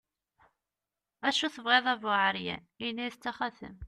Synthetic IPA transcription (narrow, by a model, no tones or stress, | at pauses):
æʃuθəvʁeðˤævʊʕəɾjæ̰ | iniθt͡sːæχæθə̰m